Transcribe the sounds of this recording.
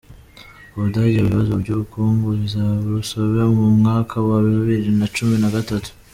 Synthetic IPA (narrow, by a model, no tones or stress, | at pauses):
uβudaɟioβiβazoɾɟuβukuːŋɡoizaβusoβemumŋaːkʰawaβiβiβiɾinat͡ʃuminaɡatatu̥